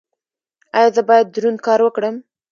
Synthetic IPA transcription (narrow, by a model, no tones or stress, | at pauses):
ajɑzəbɑjad̪̚ːɾunkɑɾwəkɽəm